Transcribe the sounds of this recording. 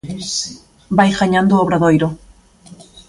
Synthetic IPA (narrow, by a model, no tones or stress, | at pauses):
bajɣaɲãnd̪ʊoβɾaðojɾʊ